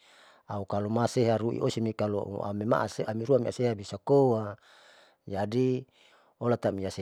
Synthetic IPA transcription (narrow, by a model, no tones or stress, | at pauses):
aukalomaseɦaɾuʔḭʔosimikalo̰a̰mema̰ʔaseamiɾuamia̰seɦabisakowa | d͡ʒadi | olat̪amiase